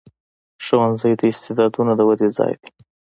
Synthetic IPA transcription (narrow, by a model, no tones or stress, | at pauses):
ʃawɑnzəjd̪əɪst̪ɪd̪ɑd̪unad̪əwad̪ed͡zɑ̰jd̪i